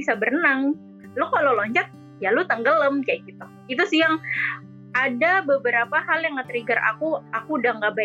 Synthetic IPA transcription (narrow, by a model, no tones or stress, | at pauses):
isabərənaŋ | lʊkalolɔɲt͡ʃat̪̚ | jalʊt̪əŋɡələmkajakit̪u | it̪usiaŋ | adabəbəɾapahaljaŋːət̪əɾiɡəra̰kuakudaŋɡaba